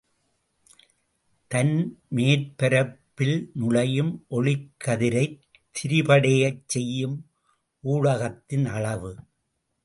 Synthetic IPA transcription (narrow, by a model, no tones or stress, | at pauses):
t̪ɐnmeːɾpɛɾɐpːɪlnʊɭɐjɯmʔɔɭɪkʰːɐðɪɾɐɪ | t̪ʰːɪɾɪpɐɽɐjɐt͡ʃsɛjːɯm | ʔuːɻɐɣɐt̪ːɪnɐɭɐʋɯ